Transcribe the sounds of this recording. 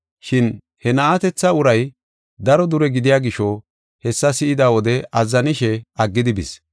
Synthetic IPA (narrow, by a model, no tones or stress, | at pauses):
ʃɪn | hɛnɐat̪ɛt͡sːɐʊɾɐj | d̪ɐɾɔd̪ʊɾɛɡɪd̪ɪjaːɡɪʃɔ | hɛsːɐsɪʔɪd̪awɔd̪ɛʔɐzːɐnɪʃɛɐɡːɪd̪ɪbɪs